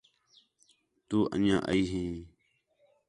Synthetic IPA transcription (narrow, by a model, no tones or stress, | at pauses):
t̪uːʔə̰njã̰ːʔəiːɦĩː